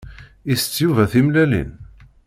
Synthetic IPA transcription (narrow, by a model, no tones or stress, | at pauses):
ist͡sːjuvæθimlælḭn